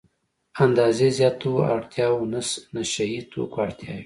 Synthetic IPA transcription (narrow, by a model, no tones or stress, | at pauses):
and̪ɑːzezjɑt̪ua̰ɽt̪ʰjɑwnəsnaʃɐjit̪ʰo̰kaɽt̪ʰjɑji